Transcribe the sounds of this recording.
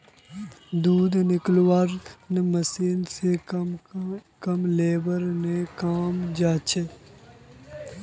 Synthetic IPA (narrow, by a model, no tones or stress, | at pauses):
d̪uːd̪nɪklwaːɾnemɐsiːnse | kɐmleːbəɾnekaːmd͡ʒaːt͡ʃʰe